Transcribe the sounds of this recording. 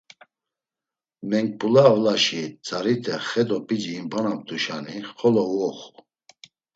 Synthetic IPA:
mɛŋk̚pulaːvlaʃit͡sʼaɾit̪ʰɛχɛd̪ɔpʼid͡ʒiːmbanap̚t̪uʃaniχɔlɔwɔχu

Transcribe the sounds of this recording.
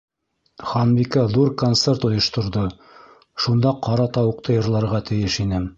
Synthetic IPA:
χɑnbikɑðuɾkont̪sert̪ŏjŏʃt̪ŏɾðo | ʃund̪ɑqɑɾɑt̪ɑwɤ̆q̚t̪ʰɤjɤ̆ɾlˠɑɾʁɑt̪ɘ̆jɘʃinɘ

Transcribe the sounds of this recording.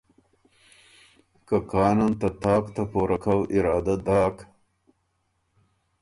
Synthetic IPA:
kakɑːnant̪ɐt̪ɑːkt̪apoːɾakʰawʔɪɾɑːd̪ad̪ɑːk

